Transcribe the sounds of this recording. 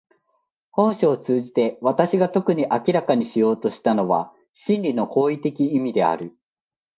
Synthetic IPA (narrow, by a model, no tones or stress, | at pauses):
hõ̞ɰ̃ɕoːt͡sɨːʑit̪e̞βat̪aɕiɡat̪o̞kɯ̟ɲ̟iʔakʲiɾakaɲ̟iɕijo̞ːt̪o̞ɕi̥t̪ano̞βa̰ | ɕĩnɾʲino̞ko̞ːit̪e̞kʲiimʲid̪e̞a̰ɾɯ̟